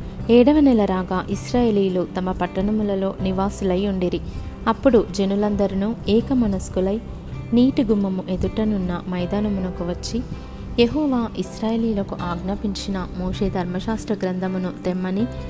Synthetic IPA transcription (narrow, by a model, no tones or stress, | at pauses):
ɛːɽɐʋɐnɛlɐɾaːɡaːʔisɾaːjeːliːlut̪ɐmɐpɐʈːɐɳɐmulɐlo̞ːniʋaːsulɐjuɳɖiɾiɐpːuɽud͡ʒenulɐnd̪ɐɾinuɛːkɐmɐnɐskulɐj | niːʈiɡumːɐmuʔe̞d̪uʈɐnunːɐmɐjd̪aːnɐmunɐkuʋɐt͡ʃːi | jeɦɔːʋaːʔisɾaːjeːliːlɐkuʔaːɡnɐpiɲt͡ʃinɐmoːʂeːd̪ʱɐɾmɐʃaːst̪ɾɐɡɾɐnd̪ʱɐmunut̪ɛmːɐni